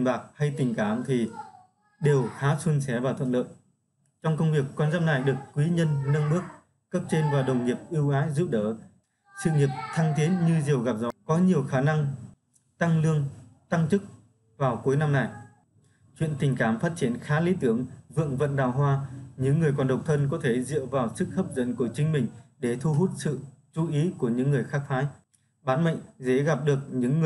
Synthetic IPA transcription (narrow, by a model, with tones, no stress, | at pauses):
ŋɓaː˨˩k̚ha˧jt̪ï˨˩ŋ̟kaː˨˩˦mt̪ʰi˨˩ | ɗe˨˩whaː˨˦swə˧nsɛ˨˦vaː˨˩t̪ʰə̰˧˨nɗlə̰ː˧˨j | t͡ɕɔ˧wŋ͡mkə˧wŋ͡mvi˨˩əkːwaː˧nzaː˦˥na˨˩jɗɨ˨˩əkkːwi˨˦ɲə˧nːə˧nɗɨ˦˥ək̚ | kə˦˥p̚t͡ɕe˧nvaː˨˩wɗə˨˩wŋ͡mɲi˨˩əp̚ʔi˧wʔaː˨˦zu˦˥p̚ɗəː˨˩ | sɨ̰˧˨ŋi˨˩əp̚t̪ʰa˧ŋt̪ʰi˨˦ənɲɨ˧zi˨˩əwɣa˨˩p̚zɔ̰˨˧˦kɔ˨˦ɲi˨˩əwxaː˨˦na˧ŋ | t̪a˧ŋlɨ˧əŋt̪a˧ŋt͡ɕɨ˦˥k̚ | vaː˨˩wku˨˦jna˧mna˨˩j | t͡ɕwḭ˧˨ənt̪ï˨˩ŋ̟kaː˨˩mfaː˦˥t̚t͡ɕi˧˦ənxaː˨˦li˨˦t̪ɨ˨˧˩əŋvɨ̰˧˨əŋvə̰˧˨nɗaː˨˩wɦwaː˧ɲɨ̰˧˥ŋːɨ˨˩əjkɔ˨˩nɗə˨˩wk͡p̚t̪ʰə˧nkɔ˨˦t̪ʰe˧˩zɨ̰˧˨əwvaː˨˩wsɨ˦˥k̚həː˦˥p̚zə̰˧˥˨nku˧˩t͡ɕï˨˦ŋ̟mï˨˩ŋ̟ɗe˧˩t̪ʰu˧ɦu˦˥t̚sɨ̰˧˨ | t͡ɕu˨˦ʔi˨˦ku˧˩əɲɨ̰˧˥ŋːɨ˨˩əjxaː˦˥k̚t̪ʰaː˨˦j | ɓaː˨˦nmə̰˧˨ŋze˧˥ɣa˨˩p̚ɗɨ˨˩ək̚ɲɨ̰˧˥ŋː˨˩